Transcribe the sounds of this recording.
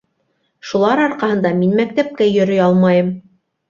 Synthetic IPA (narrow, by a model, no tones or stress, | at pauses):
ʃulˠɑɾɑɾqɑhɤ̆nd̪ɑminmæk̚t̪æp̚kæjɵ̆ɾɵ̆jɑlˠmɑjɤm